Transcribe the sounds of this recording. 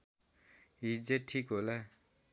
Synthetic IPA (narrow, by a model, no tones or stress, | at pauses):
ɦid͡zeʈʰikɦola